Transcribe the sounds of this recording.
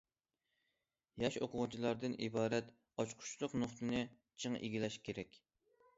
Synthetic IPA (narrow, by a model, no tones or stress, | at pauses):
jɑʃoqʰʊʁt͡ʃʰilˠɑɾd̪ɨnibɑːɾɛt̪ | ɑt͡ʃqʰʊ̥t͡ʃʰlˠʊqnoχt̪ɨnɨ | t͡ʃʰɨŋʔḛɡʲilɛʃkʲʰeɾɛkʲ